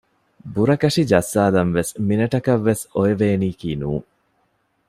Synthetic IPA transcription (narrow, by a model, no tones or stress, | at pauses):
buɾɐkɐʂid͡ʒɐsːaːlɐnʋesminɐʈɐkɐʋːesoeʋeːniːkiːnuːŋ